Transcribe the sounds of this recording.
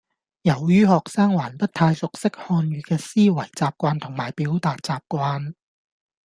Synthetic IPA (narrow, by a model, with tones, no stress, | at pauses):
jɐ˨˩wjyː˥hɔː˨k̚saː˥ŋwaː˨˩npɐ˥t̚t̪ʰaː˧jsʊ˨k̚sɪ˥k̚hɔː˧nɥyː˨˧kɛː˧siː˥wɐ˨˩jt͡saː˨p̚kʷaː˧nt̪ʰʊ˨˩ŋmaː˨˩jpiː˨˥wt̪aː˨t̚t͡saː˨p̚kʷaː˧n